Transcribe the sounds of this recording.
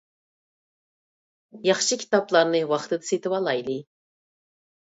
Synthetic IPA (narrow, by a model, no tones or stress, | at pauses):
jɑχʃɨkʲʰi̥t̪ɑplˠɑɾnɨwɑχt̪ɨd̪ɨset̪ɨpɑlˠɑjlˠɨ